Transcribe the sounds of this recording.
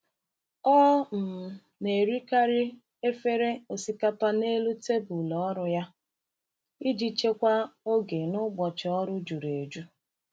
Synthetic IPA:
ɔː˦m̩˨ | ne˨ɾi˦ka˦ɾi˦ | e˦fe˦ɾe˦o˨si˨ka˦pa˦ne˦lu˦te˦bʊ˨lɔ˨ɔ˦ɾʊ˦ja˦ | i˦d͡ʒi˦t͡ʃe˦kʷa˦o˦ɡe˨nʊ˦ɡ͡bɔ˨t͡ʃɪ˨ɔ˦ɾʊ˦d͡ʒu˨ɾe˨d͡ʒu˦

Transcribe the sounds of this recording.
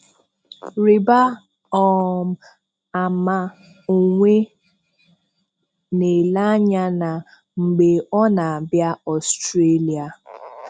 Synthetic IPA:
ɾi˨ba˦ | ɔ˨m̩˦ | a˨ma˦ | o˨ŋʷe˦ | ne˨la˦ɲa˦na˨ | ŋ͡m̩˨ɡ͡be˨ɔ˦na˨a˨bja˦ɔ˨stɾe˦li˨a˨

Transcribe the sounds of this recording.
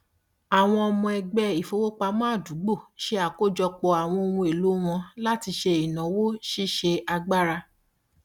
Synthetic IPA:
a˨w̃ɔ̃˧ɔ˧mɔ̃˧ɛ˧ɡ͡bɛ˦i˨fo˧˦wo˦k͡pa˧mãː˦˨du˨˦ɡ͡bo˦˨ʃe˦a˦˨ko˦˨d͡ʒɔ˧k͡pɔ˧a˨w̃ɔ̃˧o˧wũ˧e˨lu˨˦w̃ɔ̃˧la˦ti˧ʃe˧i˨nã˨wo˦ʃi˦ʃe˧a˧ɡ͡ba˦ɾa˧

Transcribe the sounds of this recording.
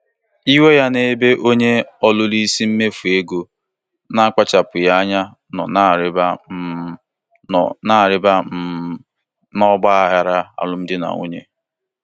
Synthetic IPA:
i˦we˦ja˦ne˦be˦ʔo˦ɲe˦ɔ˦lʊ˦li˦si˦m̩˦me˦fu˨e˦ɡo˨ | na˦a˦kʷa˦t͡ʃa˨pʊ˨ja˦a˦ɲa˦ | nɔ̰˨na˦˨ɾɪ˦ba˦˨ | na˨ɾɪ˦ba˦ | nɔ˦ɡ͡ba˦a˦ɦa˨ɾa˦a̰˨lʊ˦m̩˦dɪ˦na̰˨ŋo̰˦ɲe˦

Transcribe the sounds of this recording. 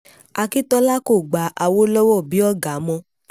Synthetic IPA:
a˧ki˦tɔ˦la˦ko˦˨ɡ͡ba˨˦ʔa˧wo˦lɔ˦wɔ˦˨bi˨˦ɔ˦˨ɡa˨˦mɔ̃˧

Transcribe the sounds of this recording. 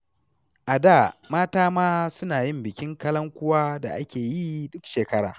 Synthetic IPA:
ʔa˨daː˦˨maː˦taː˦maː˦sʊ˦naː˨jɪ˦mbɪ˨kʲɪ˦ŋkɐ˦lɐ˦ŋkʷʊ˦waː˦da̰˨ʔa˦kʲeː˨ji˦dʊ˦kʃeː˨kɐ˦ɽa̰ː˨

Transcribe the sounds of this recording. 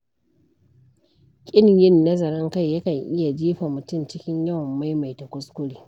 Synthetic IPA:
kʲʼɪ˦n˨jɪ˦nːɐ˦zɐ˨ɾɐ˦ŋka˦jːɐ˦kɐ˨ŋʔɪ˦ja˨d͡ʒiː˦ɸa˨mʊ˨tʊ˦˨mt͡ʃɪ˦kʲɪ˦ɲja˦wmːa˦jma˨jtɐ˨kʷʊ˦skʷʊ˦ɽiː˨

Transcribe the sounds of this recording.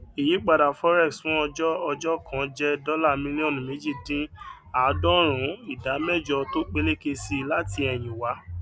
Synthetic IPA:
i˨ji˨˦ɡ͡ba˨da˨fɔ˦ɾɛ˦˨ksfũ˨˦ɔ˧d͡ʒɔ˦ɔ˧d͡ʒɔ˦kʰã˨d͡ʒɛ˦dɔ˦la˦˨mĩ˦li˦ɔ̃˦˨nũ˨me˨˦d͡ʒi˦˨dĩ˦ | a˨˦dɔ˦ɾ̃ũ˨˦i˦˨da˨˦mɛ˦˨d͡ʒɔ˧to˦k͡pe˦le˦ke˧si˧la˦ti˧ɛ˧˨j̃ĩ˨wa˨˦

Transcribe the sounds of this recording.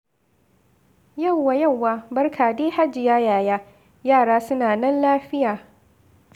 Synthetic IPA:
jɐ˦˨wːa˨jɐ˦˨wːaː˦bɐ˦rkʰaː˨deː˦ha˦d͡ʒɪ˨jaː˦jaː˨jaː˦ | jaː˦˨ɽaː˦sʊ˦naː˨nɐ˦nlaː˦ɸɪ˦jaː˨

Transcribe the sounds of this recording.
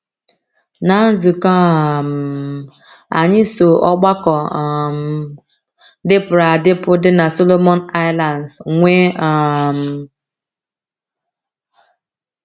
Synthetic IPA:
na˨˦n̩˦zʊ˨ka˦˨m̩˨ | a̰˨ɲɪ˦so˨ʔɔ˦ɡ͡ba˦kɔ˨m˨ | dɪ˦pʊ˨ɾa˨dɪ˦pʊ˦dɪ˦na˨so˦lo˦mɔ˦na˦ɪ˦la˨nsŋʷe˦a˨m̩˨

